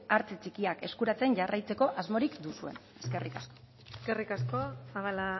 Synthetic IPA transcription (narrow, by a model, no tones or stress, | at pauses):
aɾt͡set͡sikiake̞skuɾat͡se̞nʝarʔajt͡se̞ko̞ʔazmo̞ɾikd̪usue̞̰n | e̞̥ske̞rikasko | eskerikasko̞aβala